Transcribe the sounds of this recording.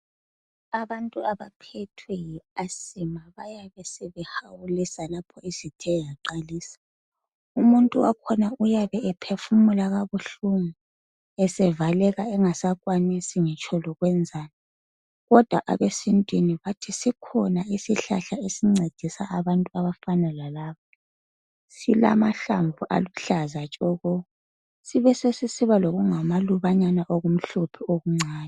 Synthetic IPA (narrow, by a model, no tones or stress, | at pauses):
aβantʼuaβapʰɛtʰwɛjiasimaβajaβɛsɛβɛhawulisalapʰɔizitʰɛjaǃaliːsḁ | umuntʼuwakʰɔnaujaβɛɛpʰefumulaɣaβuɬuŋu | ɛsɛvalɛɣaɛŋasakʼwanisiŋɛt͡ʃʰʼɔlɔɣwɛnd͡zʱaːna | ɣɔd̥ʱwaʔa̰βesintʼwiniβatʰisikʰɔnaisiɬa̰ɬaesiŋ͡ǀed̥ʱisaʔːβantʼuaβafanɛlalaːβa | sila̰maɬaɱvʱuʔa̰luɬazat͡ʃʼɔɣɔɣɔ | siβɛsesisiβaloɣuŋamaluβaɲanaʔoɣum̩ɬupʰɛoɣuŋ͡ǀʱaːnɛ